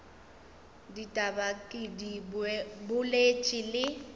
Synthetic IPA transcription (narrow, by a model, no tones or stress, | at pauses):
ditʼabakʼɪdi | bʊlet͡ʃʼɪlɪ